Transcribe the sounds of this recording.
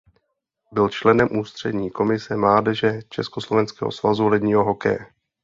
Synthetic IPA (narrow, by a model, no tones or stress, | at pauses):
bɪlt͡ʃlɛnɛmʔuːst̪r̝̥ɛdɲiːko̞mɪsɛmlaːdɛʒɛt͡ʃɛskoslo̞vɛnskɛ̰ːɦo̰svazulɛdɲiːɦo̞ɦo̞kɛ̰jɛ